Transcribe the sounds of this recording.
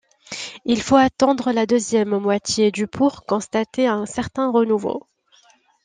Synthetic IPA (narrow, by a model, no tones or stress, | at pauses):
ilfoat̪ɑ̃d̪ʁəlad̪øzjɛmːwat̪jed̪ypʰuʁkɔ̃st̪at̪eɛ̃sɛʁt̪ɛ̃ʁənuvo̰